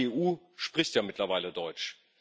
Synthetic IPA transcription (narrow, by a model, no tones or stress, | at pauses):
eʔuː | ʃpʁ̥ɪçtjaːmɪtlɐvaɪlədɔʏt͡ʃ